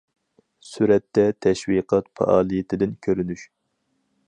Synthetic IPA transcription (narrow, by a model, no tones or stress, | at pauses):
syɾɛt̪ːɛt̪ʰɛʃwiqʰɑt̪fɑ̰ʔɑːlˠijet̪ʰɪd̪ɪnkʲʰøɾynyʃ